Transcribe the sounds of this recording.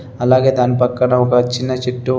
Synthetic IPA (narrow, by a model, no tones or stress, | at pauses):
ɐlaːɡe̞ːd̪aːnipɐkːɐɳɐɔkɐt͡ʃːinːɐt͡ʃeʈːu